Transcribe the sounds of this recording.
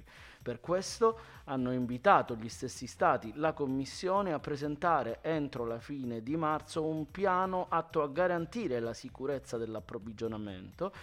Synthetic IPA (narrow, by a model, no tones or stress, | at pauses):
perkwest̪oanːoiɱvit̪aːt̪oʎist̪esːist̪aːt̪ilakomːisːjoːneapːɾezent̪aːɾeʔent̪ɾolafiːned̪imart̪soumpjaːnoʔat̪ːoaɡːaɾant̪iːɾelasikuɾet̪sːad̪elːapːɾovid͡ʒonamḛnt̪o